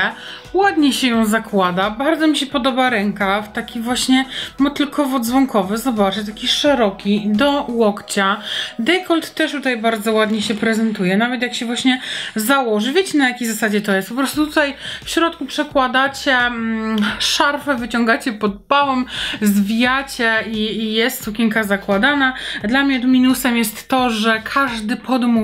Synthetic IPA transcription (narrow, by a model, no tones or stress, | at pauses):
wad̪ɲɛɕɛjɔ̃w̃zakwad̪abaɾd̪zɔmʲiɕɛpɔd̪ɔbaɾɛŋkaft̪akʲivwaɕɲɛmɔt̪ɘlkʰɔvɔd̪zvɔŋkɔvɘzɔbat͡ʂɨt̪akʲiʂɛɾɔkʲid̪ɔwɔkt͡ɕad̪ɛjkɔlt̪ːɛʂt̪ut̪ajbaɾd̪zɔwad̪ɲɛɕɛpɾɛzɛnt̪ujɛnavɛt̪̬jakɕɛvwaɕɲɛzawɔʐɘvʲjet͡ɕɛnajakʲejzasad͡ʑɛt̪ɔjɛst̪pɔp̬ɾɔst̪ut̪ut̪ajfɕɾɔt̪̚kupʂɛkwad̪at͡ɕɛ | ʂaɾfɛvɘt͡ɕɔŋɡat͡ɕɛpɔd̪̚bawɛmzvʲijat͡ɕɛiːjɛst̪sukʲɛŋkazakwad̪anad̪lamɲɛɔd̪mʲinusɛmjɛst̪ːɔʐɛkʰaʐd̪ɘpʰɔd̪mu